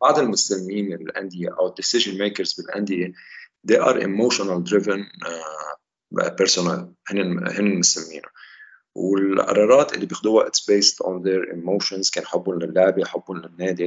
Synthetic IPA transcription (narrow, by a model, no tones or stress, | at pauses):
baʕd̪ɪlmʊsamːiːmɪɪlʔa̰nd̪ɪjeʔawɪd̪ːɪsɪʒɪnmeːkəɾzbɪlʔa̰nd̪ɪje | d̪eːʔɑ̰ːɾˤʔɪ̰moːʃɔnald̪ɾɪvɪn | pɛɾsʊna̰lhɪnːɪhɪnːɪlmʊsamːḭːna | wɪlʔɑ̰ɾˤɑːɾˤɑːt̪ʔɪlːibjɪxd̪uːaʔɪt̪sbeːst̪ʔɔ̰̃nðeɾʔɪ̰mːoːʃɔnz̥keːnħʊbːʊnlɪlːʊʕbiħʊbːʊnlɪnːeːd̪i